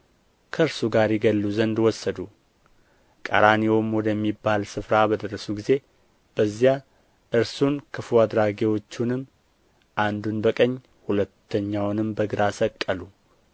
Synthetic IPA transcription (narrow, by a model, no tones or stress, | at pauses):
kʰəɨɾsuɡaɾjɪɡəlːuzənd̪wɔsːəd̪u | kʼə̰ɾanewomwɔd̪əmːibːalsɨfɾabəd̪əɾːəsuɡize̞ | b̥əzːja | ʔɨɾsunkʰɨfuad̪ɾaɡewo̞t͡ʃːunɨmː | ʔand̪unbəkʼəɲː | hulət̪ʰːəɲːawnɨmbəɡɨɾasəkʼːəlu